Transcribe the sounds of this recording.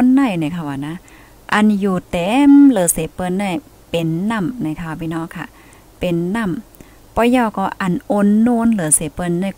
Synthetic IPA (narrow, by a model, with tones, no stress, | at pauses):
nːa˧˩jna˧˩kʰa˧˩wa˨˩na˧˥ | ʔa˧˨njuː˨˩t̪ɛː˨˦mlɯː˨˦seː˨˦pɤː˧nːa˧˩j | pe˨nːa˧˩˨mna˧˩jkʰa˧˨a˨˩bi˧˦nɔː˧˥˨kʰa˧˩˨ | pe˨nːa˧˥˨m | pɔ˧˦jaː˧˩wkɔː˧˩ʔa˧˩nʔo˧nːoː˧nlɤː˨˦se˨˦pɤː˧nːa˧˩˨